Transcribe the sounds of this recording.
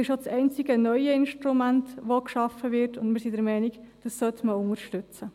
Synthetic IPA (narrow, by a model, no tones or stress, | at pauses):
ɪʃot͡sɛɪnt͡sɪɡənœʏəɪnʃtɾumæntʋokʃɑfəʋɪtʊndmɪɾsidəɾmɛɪniɡd̥ɑsːœtməʊŋəɾʃtʏt͡sə